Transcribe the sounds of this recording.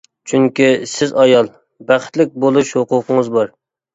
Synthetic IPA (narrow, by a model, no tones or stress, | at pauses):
t͡ʃʰyŋkʲisɪzɑjɑlˠ | bæχt̪lɪk̚ʲbolˠuʃhʊqʊqʰəŋəzbɑɾ